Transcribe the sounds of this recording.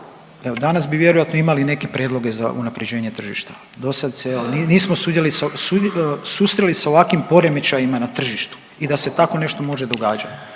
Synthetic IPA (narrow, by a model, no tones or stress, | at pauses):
eod̪anasbiʋje̞ɾojat̪noimaline̞ke̞pɾjeːd̪lˠo̞ɡe̞za̰ʔṵnapɾed͡ʑe̞ːɲe̞t̪r̩ʒḭʃt̪ḁ | d̪o̞sad̪seloniniːsmosud̪ʲjelisasusust̪ɾelisao̞ʋakʋimpo̞ɾe̞met͡ɕajimanat̪r̩ʒiʃt̪u̥ | id̪ase̞t̪ako̞ne̞ʃt̪o̞mo̞ʒe̞d̪o̞ɡaːd͡ʒat̪